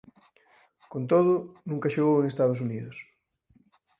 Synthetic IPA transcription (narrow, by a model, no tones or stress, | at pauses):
kont̪oð̞ʊnũŋkɐʃeɣoweŋest̪aðos̬uniðʊs